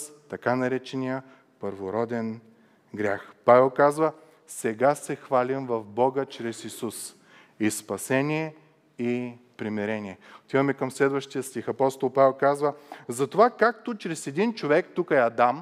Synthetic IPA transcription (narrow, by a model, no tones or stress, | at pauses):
st̪ɐkanɐɾɛt͡ʃɛnijə | pəɾvoɾɔd̪ɛn | ɡɾʲaxpavɛlˠkazvə | sɛɡasɛxvalimvɐvbɔɡət͡ʃɾɛsisus | ispɐsɛniɛ | i | pɾimɛɾɛniɛot̪ivɐmɛkɐmslɛd̪vəʃt̪ijəst̪ʲixɐpɔst̪olˠpavɛlˠkazvəzɐt̪ovakak̚t̪ot͡ʃɾɛsɛd̪int͡ʃovɛkt̪ukəɛɐd̪am